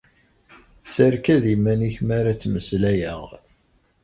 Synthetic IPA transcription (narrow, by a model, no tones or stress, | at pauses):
səɾkæðimːæniçmæɾat͡sːməslæjæʁ